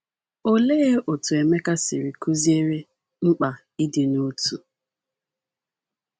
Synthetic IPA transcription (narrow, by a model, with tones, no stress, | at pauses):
o˦leː˦o˨tu˨e˨me˦ka˦sɪ˨ɾi˨ku˦zi˦e˦ɾe˦ | ŋ͡m̩˦k͡pa˨ | i˦dɪ˨nu˦tu˨